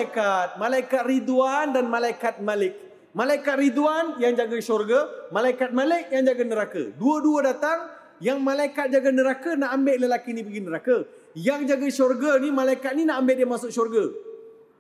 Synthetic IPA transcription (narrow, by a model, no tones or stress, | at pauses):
kat̪̚malajkat̪̚rid̪uandanmalajkat̪̚malɪk̚ | malajkat̪̚rid̪wanjaŋd͡ʒaɡəʃɔrɡəmalaikat̪̚malɪk̚jaŋd͡ʒaɡənəɾakə̰duəduədat̪aŋ | jaŋmalaikat̪̚d͡ʒaɡənəɾakənaʔambeʔləlakinipəɡinəɾakə | jaŋd͡ʒaɡəʃɔrɡənimalajkat̪̚ninaʔambɪʔdiəmasʊk̚ʃɔrɡə